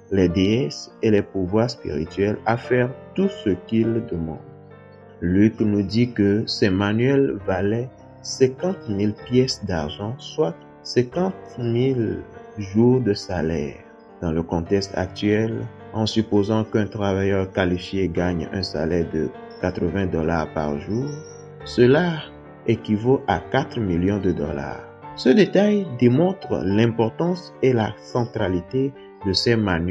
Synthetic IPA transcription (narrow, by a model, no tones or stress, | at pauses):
lɛd̪eɛselɛpuvwaʁspḭʁḭt̪ɥɛlafɛʁt̪usəkild̪əmɑ̰̃d̪ | lyknud̪ikəsɛmanɥɛlvalɛ | sɛ̃kɑ̃t̪milpjɛsd̪aʁʒɑ̃swa | sɛ̃kɑ̃t̪mil | ʒuʁd̪əsalɛ̰ʁ | d̪̥ɑ̃ləkɔ̃t̪ɛkst̪a̰k̚t̪ɥɛl | ɑ̃sypozɑ̃kɛ̃t̪χavajœʁkalifjeɡaɲɛ̰̃sa̰lɛʁd̪ə̰ | kat̪χəvɛ̃d̪ɔlaʁpa̰ʁʒuːʁ | səla | ekivoʔakat̪χmiljɔ̃d̪əd̪ɔ̰la̰ʁ | səd̪et̪ajd̪emɔ̃t̪χlɛ̃pɔʁt̪ɑ̃s | elasɑ̃t̪ʁalit̪e | d̪əsɛman